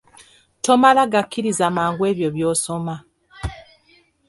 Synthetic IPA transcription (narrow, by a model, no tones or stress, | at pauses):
to̞malaɡakʰːiɾizamaːŋɡwe̞ːβjo̞βjo̞ːso̞ma